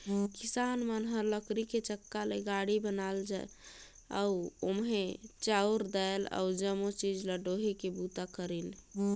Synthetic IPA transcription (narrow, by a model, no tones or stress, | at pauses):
kisanmənɦəɾləkɾiket͡ʃəkːaleɡaɽibənald͡ʒa̰ | a̰uomɦet͡ʃauɾd̪ala̰ud͡ʒəmot͡ʃid͡ʒləɖoɦekebut̪akəɾin